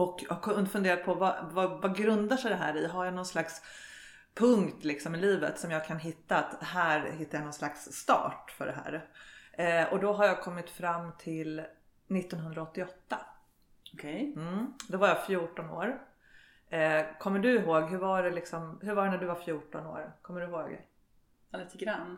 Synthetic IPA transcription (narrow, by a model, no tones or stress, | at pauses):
ɔkʰːnfɵnd̪eːɾat̪̚pʰɔva̰vavaɡɾɵnd̪aʂɛjd̪ɛɦæ̰ːɾɪɦajanɔnslaks | pʰɵŋkt̪lɪksɔmɪliːvə̰t̪sɔmjɑːɡkʰanɦɪt̪ːaːt̪ɦæːɾɦɪt̪ːajanɔnslaksːt̪ɑ̰ːʈfœ̰ɖɛɦæ̰ːɾ | ɔd̪ɔɦaɾjɑːkʰɔmːɪt̪fɾamːt̪ʰɪl | nɪt̪ːɔnɦɵnd̪ɾaɔt̪ːɪɔt̪ːa | ɔkʰɛjm̩d̪ɔvaɾjaːfjuːʈɔno̰ːɾ | kʰɔmːəɖɵɪɦoːɡɦɵɾvaɖɛlɪksɔmhɵɾvaɖɛnæɖɵvaɾfjuːʈɔno̰ːɾkʰɔmːəɖɵɦoːɡ | lit̪əɡɾanː